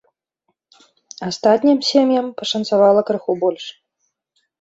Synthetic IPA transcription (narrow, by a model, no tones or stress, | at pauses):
ast̪at̪ʲnʲimsʲemjɐmpɐʂɐnt̪savalˠɐkɾɨxubɔlʲʂ